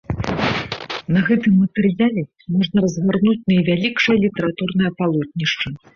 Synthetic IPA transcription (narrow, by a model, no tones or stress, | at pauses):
nɐɣɛt̪ɨmːɐt̪ɛrjalʲɛ | mɔʐnɐɾɐzɣarnut͡sʲnɐjvʲalʲikʂɐjɐlʲit̪ɐɾat̪urn̪ɐjɐpalˠɔt̪̚ʲnʲiʂt͡ʂɐ